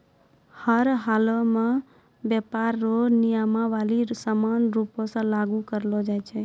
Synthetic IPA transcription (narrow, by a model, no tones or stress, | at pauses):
həɾɦalomã | bjəpaɾːonijamãʋalisamanɾuposãlaɡukəɾlod͡ʒajt͡ʃʰe